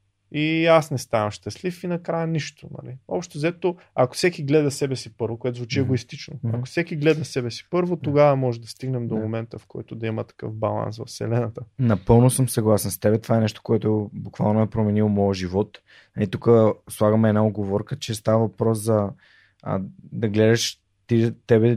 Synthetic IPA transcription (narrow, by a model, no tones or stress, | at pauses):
iasnɛst̪avɐʃt̪ɛslifinɐkɾajəniʃt̪onɐ̰lḭɔ̰pʃt̪ozɛt̪o | ako̥sɛkiɡlɛd̪ɐsɛbɛsipɤɾvokoɛt̪ozvut͡ʃiɛɡoist̪it͡ʃnoɐko̥sɛkiɡlɛd̪ɐsɛbɛsi̥pɤɾvot̪oɡavɐmɔʒɛd̪ɐst̪iɡnɛmd̪omomɛnt̪əfkɔ̰jt̪ʊd̪ɐimət̪ɐ̥kɤ̰fbɐlˠa̰nsvɐ̰fsɛ̰lɛnɐt̪ənɐpɤlˠnosəmsɐɡlˠasɛnst̪ɛbɛt̪ovaɛnɛʃt̪o̥koɛt̪ʊbukva̰lˠnoɛpɾomɛnilˠmɔjəʒivɔt̪ | nɐlit̪ukəslˠaɡəmɛːd̪naod̪̚ɡovɔɾkət͡ʃɛst̪avəvɐpɾɔszɐ̰ | d̪ɐɡlɛd̪ɐʃ | t̪it̪ɛbɛ